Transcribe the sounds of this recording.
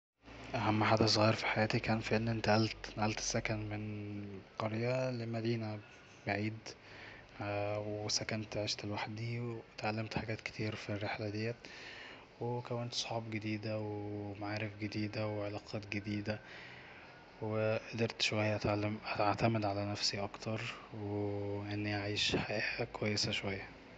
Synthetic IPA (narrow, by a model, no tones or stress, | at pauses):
ʔæhæmːħaːd̪æsˤɣijɾfi̥ħajæːt̪ikæːnfiʔenːʔent̪æʔælt̪nʔælt̪sːækænmenqɑɾjælemæd̪iːnæ | baʕiːd̪ | wsækænt̪ʕeːʃt̪elwaħd̪iwet̪ʕalːæmt̪ħaɡæːt̪ke̥t̪ʰiːɾfirːeħlæd̪ejːæt̪ | wekæwænt̪sˤħɑːbɡed̪iːd̪æwemaʕaːɾefɡed̪iːd̪æweʕelɑqʰɑːt̪ɡed̪iːd̪æ | weʔd̪eɾt̪ʃowæjːæʔ̪mʔæt̪aʕt̪æmed̪ʕalænæfsiʔɑkt̪ɑɾˤweʔenːiʔaʕiːʃħajæːkowæjːesæʃowæjːæ